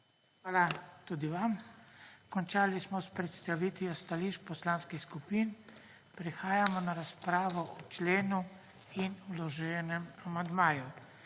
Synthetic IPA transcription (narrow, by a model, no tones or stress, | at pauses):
xʋaːlat̪uːd̪iʋam | kɔnt͡ʃaːlismɔspɾɛt̪st̪aʋiːt̪ʋjɔst̪aliʃpɔslaːnskixskupiːn | pɾɛxaːjamɔnaɾaspɾaːʋɔʔɔt͡ʃleːnu | inulɔʒɛːnɛmamand̪maːju